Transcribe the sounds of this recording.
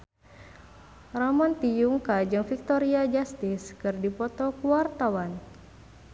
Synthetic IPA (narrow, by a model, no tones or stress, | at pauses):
ramɔnt̪ijuŋkad͡ʒɨŋfik̚t̪ɔɾiad͡ʒast̪iskɨrdipɔt̪ɔkuwart̪awan